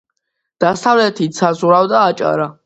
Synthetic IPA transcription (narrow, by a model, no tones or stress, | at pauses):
d̪̥asʰavlɛt̪ʰit̪sʰazuɾawd̪aːt͡ʃʼa̰ɾa